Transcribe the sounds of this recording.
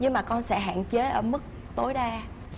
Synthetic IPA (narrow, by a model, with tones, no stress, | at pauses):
ɲɨ˧ŋmaː˨˩kɔ˧nsɛ̰˧˥ɦa̰ː˧˨nt͡ɕe˨˦ʔəː˧˩mɨ˦˥k̚ | t̪o˨˦jɗaː˧